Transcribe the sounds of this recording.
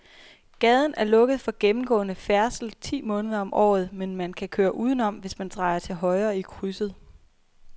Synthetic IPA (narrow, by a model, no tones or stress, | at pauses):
ɡ̥ɛð̞ˠn̩æɐlɔ̽ɡ̥əð̞̩ˠfɒ̽ɡ̥emm̩ɡ̥ɔ̰̽ːnəfæɐsl̩t͡sʰḭːmɔ̽ːnəð̞ˠɐɒ̽mʔɒ̰ːð̞̩ˠmenmænkʰækʰøːɐʔuːð̞ˠn̩ɒ̽m̰ʋe̝smænt͡sʰʁɑ̈ɪɐt͡sʰe̝lɦɒ̽ɪɐːikʰʁysð̩ˠ